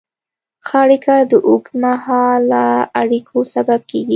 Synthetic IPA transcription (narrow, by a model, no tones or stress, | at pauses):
xaɽikad̪əʔʊkmahɑlaaɽikʰosabab̚keɡi